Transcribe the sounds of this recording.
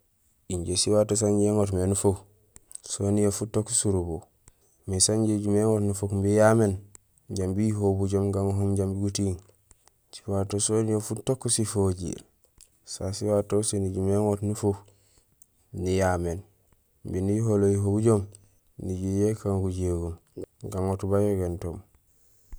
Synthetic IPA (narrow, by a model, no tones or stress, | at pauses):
iɲɟesiwaːtos̬aɲɟeŋot̬menufok | sonijofutːokːsuɾubo | misaɲɟeɟumeŋotnufokmbijamen | ɟambijiɦobuɟomɡaŋɦomɟambiɡutiːŋ | si̥watosonijofutokːusifoɟḭl | sasiwatoseniɟumeŋotnufuk | nijamen | mbiniɦolojiɦobuɟom | niɟujekaŋɡuɟeɡumɡaŋotubajoɡento̰m